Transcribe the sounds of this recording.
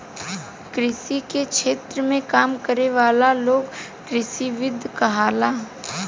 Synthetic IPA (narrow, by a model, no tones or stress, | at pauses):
kɾɪsikekʃeːt̪ɾəmẽkaːmkəɾeʋaːlaloːɡ | kɾɪʃiʋɪd̪ʱjkɐɦaːlaː